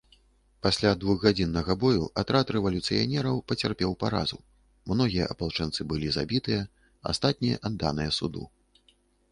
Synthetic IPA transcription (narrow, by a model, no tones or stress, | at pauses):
pasʲlʲad̪vuɣɣad͡zʲinːɐɣɐbɔjṵʔat̪ɾat̪ɾɛvɐlʲut̪sɨ̰ja̰nʲɛɾɐwpɐt͡sʲarpʲɛwpaɾa̰zṵ | mnɔɣʲijɐ̰ʔɐpalˠt͡ʂɛnt̪sɨbɨlʲiza̰bʲit̪ɨjɐ | a̰st̪at̪̚ʲnʲijɐ̰ʔad̪ːa̰nɨjɐsud̪ṵ